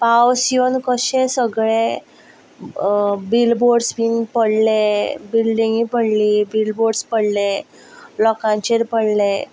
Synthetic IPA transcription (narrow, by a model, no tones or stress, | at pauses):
pawsijonkəɕẽsəɡɭe | bilboɾɖspiːnpəɽlebilɖĩŋɡipəɽlibilboɖspəɽle | lɔkãɲt͡ɕeɾpəɽle